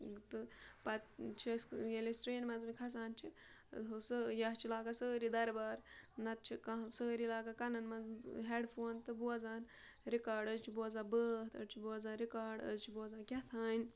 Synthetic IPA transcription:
t̪ɨpɐt̪t͡ʃʰisjelisʈɾeːnmɐzmikʰɐs̬aːnt͡ʃʰi | ɦusəjɐɦt͡ʃʰilaːɡasəːɾid̪ɐɾbaːɾnɐt̪̚t͡ʃʰikɐsəːɾilaːɡakɐnɐnmɐzɦeːɖpʰoːnt̪ɨbuɐzaːn | ɾikaːɾɖəzt͡ʃʰibuɐzãːbəːht̪ʰɐ̰t͡ʃʰibuɐzaːɾikaːɾɖə̰zt͡ʃʰibuɐzãːnkʲɐt̪ʰaːn

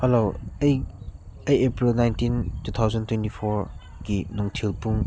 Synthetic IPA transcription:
heloj | ɐjepɾilnajntintut̪ʰawzɐntwentipʰɔɾ | kinɔŋtʰilpuŋ

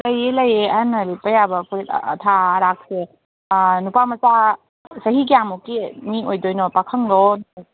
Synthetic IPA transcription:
lɐjelɐjeɐanɐlipəjabɐpʰuɾetːtʰaɾak̚se | nupamɐsa | sɐɦik̬ijamukimiojdojnɔpakʰəŋlɔn

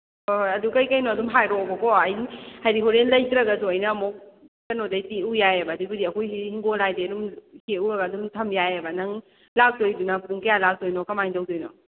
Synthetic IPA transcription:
ɐdukɐjkɐjnɔɐdumɦajɾɔbɐkɔɐjnhajɾiɦoɾenlɐjkɾɐɡɐzuɐjnɐːmok̚tɐnodɐjtiujajɐbɐdubudiɐkʰojihiŋɡonajdeɐdumheuɾɐɡɐːdumtʰɐmjajɐbɐnɐŋ | lak̚tojdunɐpuŋkɐjalak̚dojnɔkɐmajŋtɐwdojnɔ

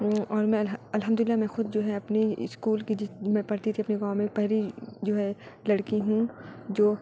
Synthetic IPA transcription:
ɔːɾmɛ̃ɐlɦəmd̪ʊlɪlːamɛ̃xʊd̪̚d͡ʒoːɦɛɐpniɪ̰skuːlkid͡ʒɪmɛ̃pɐɾt̪it̪ʰiɐpniɡãːmẽpɛɦlid͡ʒoːɦɛlɐɽkiɦũd͡ʒoː

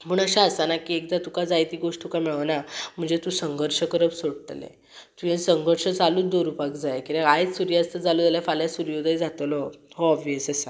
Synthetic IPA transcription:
məːɳəɕaəsanakiekd̪at̪ukad͡zajt̪iːɡoʂʈt̪ukamiɭnam̤əɳd͡zet̪usəŋɡʱəɾʂəkəɾəpsoɽt̪lḛ | t̪ujẽsəŋɡʱəɾʂət͡saluːd̪oɾupakd͡zajkiɾaɡajt͡ssuɾjad͡zt̪əd͡zaluːd͡zaljafaljasuɾjod̪aid͡zat̪əlɔɦoɔbʋjəsəsa

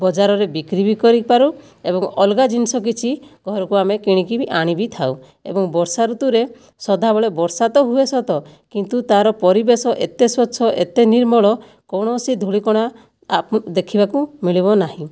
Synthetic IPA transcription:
bɔd͡ʒaɾɔɾebikɾibikɔɾipaɾu | ebɔŋɔlɡad͡ʒinisɔk̬it͡ʃʰiɡʱɔɾɔkuamekiɽ̃ikibiʔaɽ̃ibit̪ʰaw | ḛbɔŋbɔɾsaɾut̪uɾe | sɔd̪ʱabɔɭebɔɾsat̪ɔɦuesɔt̪ɔkint̪ut̪aɾɔpɔɾibesɔʔet̪eswɔtːsʰɔʔet̪eniɾmɔɭɔ | kɔɽ̃ɔːsid̪ʱuɭikɔɽ̃a | d̪ekʰibakumiɭibɔnaɦĩ

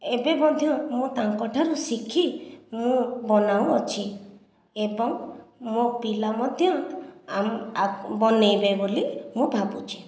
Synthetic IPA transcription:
ebebɔd̪ʱjɔmũt̪aŋkɔʈʰaɾusikʰimũbɔnawɔt͡ʃʰi | ebɔŋmopilamɔd̪ʱjɔamabɔnejbebolimũbʱabut͡ʃʰi̥

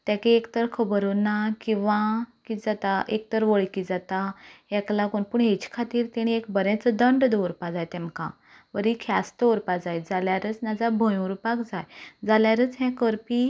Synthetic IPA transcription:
t̪akeekt̪əɾkʰəbəɾunakĩw̃ʋãkid͡zat̪aʔek̚t̪əɾʋəɭkid͡zat̪aɦɛ̃klakuɳpuɳɦet͡ɕkʰat̪iːɾt̪eɽ̃iekbəɾɛ̃t͡səd̪əɳɖd̪owɾpad͡zajt̪ɛ̃mkã̰ | ʋəɾikʰast̪əɾpad͡zajd͡zaljaɾət͡snad͡zabʱəjũɾpakd͡zajd͡zaljaɾət͡sɦɛ̃kəɾpi

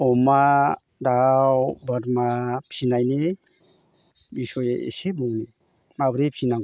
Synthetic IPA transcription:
ɔma | dawbəɾmapʰsinajne | bisɔjeḛsebɔŋne | mabɾepʰsinaŋɡ

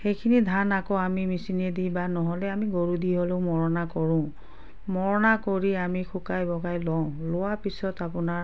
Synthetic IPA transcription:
xejkʰinidʱanakɔamimisinedibanɔɦɔlɛamiɡoɹudiɦoleʊmɔɹɔnakɔɹʊ̃ | mɔɹɔnakoɹiamikʰukajbɔɡajlɔʊ̃lʊwapisɔtapʊna

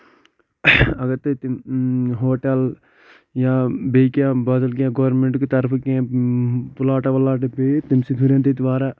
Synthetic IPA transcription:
ɐɡɐɾt̪et̪ | ɦoːʈel | jaːbeːkjãːbɐd̪əlkjãːɡɐʋɾnmẽɳʈkit̪ɐɾpʰkã | pʊlaːʈaʋɐlːaːʈebet̪imsid̪ʰʱuɾẽːnt̪et̪ʋaːɾaː

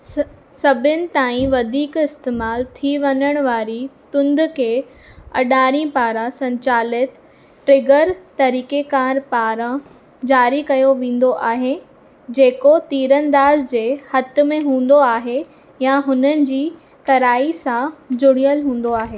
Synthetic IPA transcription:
sɐbʱɪnɪ̆t̪aːĩʋɐd̪ʱiːkɪst̪eːmaːlt̪ʰiʋɐɲəɽ̃ʋaːɾit̪ʊ̃nd̪kʰeː | ɐ̰ɗaːɾĩpaːɾãsɐ̃ɲt͡ɕaːlɪt̪ | ʈɾɪɡəɾt̪ɐɾiːkekaːɾpaːɾã | d͡ʑaːɾikɐjoʋẽːn̆d̪oʔaːɦe | d͡ʑeːkot̪iːɾə̃nd̪aːzd͡ʑeːhɐt̪̆mẽɦũːn̆d̪oaːɦe | jaɦʊnənɪ̆d͡ʑiː | kɐɾaːisãd͡ʑʊɽijəlɦũːn̆d̪oaːɦeː

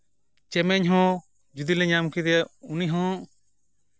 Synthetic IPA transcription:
t͡ʃɛmɛɲɦɔ̃ | d͡ʒud̪ilɛɲamkid̪ɛuniɦɔ̃ʔ

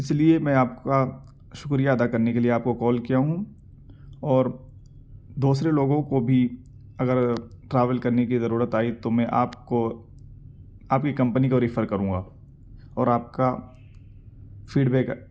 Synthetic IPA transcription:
ɪsliemɛ̃ːaːp̚ka | ʃʊkɾijaɐd̪akɐɾnekelieaːp̚kokɔːlkijaɦũ | ɔːɾ | d̪uːsɾeloːɡõkobʱi | ɐɡəɾʈɾaːʋəlkɐɾnekizɐɾuːɾət̪aːit̪omɛ̃ʔaːpko | aːp̚kikɐ̃mpnikoɾɪfəɾkɐɾũːŋɡaː | ɔːɾaːp̚ka | fiːɖbɛːk

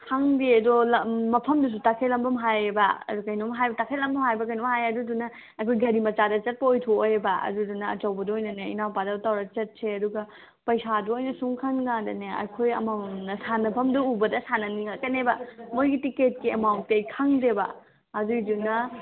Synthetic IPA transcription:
kʰaŋdeɐdɔlɐmɐpʰɐmdus̬utakʰelɐmbɐmɦajba̰ɐ̰dukɐjnɔmɦajbɐtakʰelɐmbɐmɦajbɐkɐjnɔmɦajɐdudunɐ | ɐkʰojɡɐɾimɐt͡ʃadɐt͡ʃɐt̚pɐojtʰoojebaɐ̰dudunɐɐ̰t͡ʃɐwbɐduojnɐneinawpadatawɾat͡ʃɐt̚sʰeɐduɡɐ | pɐjsaduojnɐsuŋkʰɐnɡaŋdɐneɐ̰kʰojɐ̰mɐnɐsanɐpʰɐmduubɐdɐsanɐniŋakɐnebɐmojɡitiket̚kiemawt̚tejkʰaŋdebɐ̰ | ɐdudunɐ

